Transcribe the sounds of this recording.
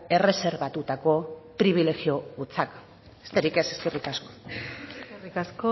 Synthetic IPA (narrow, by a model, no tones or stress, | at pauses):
e̞re̞se̞ɾβat̪ut̪ako̞pɾiβ̞ile̞ɣio̞ɣut͡sak | est̪eɾike̞se̞ske̞rikasko̞̥ | rikasko